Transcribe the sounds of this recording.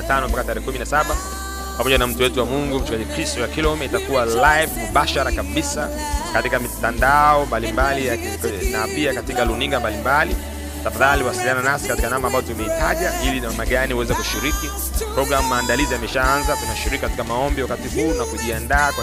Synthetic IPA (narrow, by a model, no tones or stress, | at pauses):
atanɔmpakataɾɛhɛkuminasaɓa | pamɔʄanam̩tuwɛtuwamuŋɡum̩t͡ʃukaɲikɾistɔjakilɔumɛitakuwalajvmuɓaʃaɾakaɓisa | katikamitandaɔmbalimbalija | napiakatikaluniŋɡambalimbali | tafaðaliwasiliananasikatikanamambazɔtumɛitʰaʄailinamaɠaniuwɛzɛkuʃiɾiki | pɾɔɡɾamumaːndaliziamɛʃaanzatunaʃiɾikikatikamaɔmbiwakatiɦuːnakuʄiandaːka